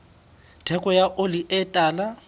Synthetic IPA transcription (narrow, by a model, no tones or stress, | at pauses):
tʰɛkʼɔjaʔoliʔɪtʼaːla